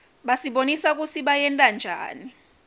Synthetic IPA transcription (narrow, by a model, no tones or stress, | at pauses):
ɓasiɓonisak̬ʼusʰiɓajɛntʼand͡ʒʱa̰ːni